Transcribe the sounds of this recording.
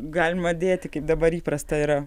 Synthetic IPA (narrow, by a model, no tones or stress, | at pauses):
ɡɑːlʲɪmɐd̪ʲeːt̪ʲɪkɐɪp̚d̪ɐbɐɾiːpɾɐst̪ɐiɾɐ